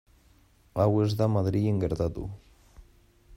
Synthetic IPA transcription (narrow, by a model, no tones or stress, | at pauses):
awezðamaðɾieŋɡeɾt̪at̪ṵ